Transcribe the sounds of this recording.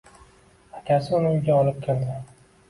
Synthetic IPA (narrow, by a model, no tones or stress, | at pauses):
akʲʰasɪʊnɪʊjɡʲaɒlɪp̚kʲʰeld̪ɪ